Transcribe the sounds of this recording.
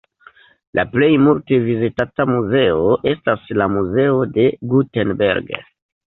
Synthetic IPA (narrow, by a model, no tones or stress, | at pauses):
lʔa̰ple̞jmulte̞vizitatamuze̞oʔe̞staslamuze̞o̞de̞ɡutenbe̞̰ɾɡ